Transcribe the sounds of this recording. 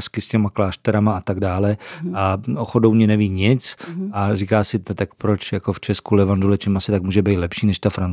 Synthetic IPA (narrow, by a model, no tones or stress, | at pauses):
skɪscɛmaklaːʃt̪ɛɾamaat̪aɡdaːlɛʔaʔoxodowɲɛnɛviːɲɪt͡sʔariːkaːsɪt̪ak̚pɾot͡ʃjakoft͡ʃɛskulɛvandolɛt͡ʃɛmasɪt̪akmuːʒɛbejt̪lɛpʃiːnɛʃt̪afɾan